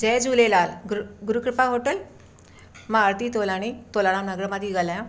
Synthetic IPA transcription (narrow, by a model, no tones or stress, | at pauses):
d͡ʒɛːd͡ʒuːlelaːlɡɡʊɾukɾɪpaɦoːʈəl | maːɾt̪iːt̪oːlaːɽ̃it̪oːlaːɽãːmnɐɡɾəmad̪iːɡalajã